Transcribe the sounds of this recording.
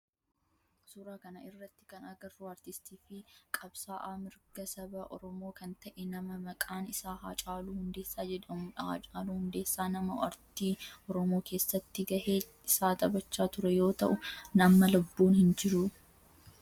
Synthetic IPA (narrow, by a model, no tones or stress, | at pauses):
sʊɾaːkɐnɐɪrːɐt̪ːɪ̥kɐnɐɡɐrːuɐɾt̪ɪst̪iːfɪkʼɐbsaːʔaːmɪɾɡ̥ɐsɐbɐʔɔ̰ɾɔmo̞ːkɐnt̪ɐʔɛnɐmɐmɐkʼaːnɪsaːhaːt͡ʃʼaːluhʊnd̪e̞ːsːaːd͡ʒɛᶑɐmʊᶑɐha̰ːt͡ʃʼaːluhʊnd̪e̞ːsːaːnɐmɐɐɾt̪iːɔɾɔmo̞ːke̞ːsːɐt̪ːɪɡɐʔeː | ɪsaːt̪ʼɐbɐt͡ʃːaːt̪ʊɾɛjo̞ːt̪ɐʔʊnɐmːɐlʊbːuːnhɪnd͡ʒɪɾʊ